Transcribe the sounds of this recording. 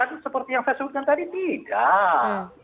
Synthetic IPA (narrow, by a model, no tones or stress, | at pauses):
adusəpərt̪ijaŋsajasəbut̪̚kant̪adit̪ida